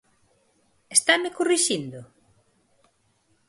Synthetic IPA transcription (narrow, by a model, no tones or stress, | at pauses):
est̪amɪkuriʃind̪ʊ